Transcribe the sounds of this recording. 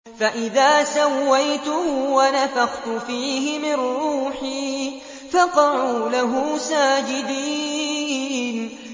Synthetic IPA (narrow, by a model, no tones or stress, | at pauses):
faʔɪðaːsawːajt̪ʊwanafaɣt̪ʊfiːɦɪmɪnːuːħiː | fɑqɑʕuːlaɦuːsaːd͡ʒɪd̪iː | n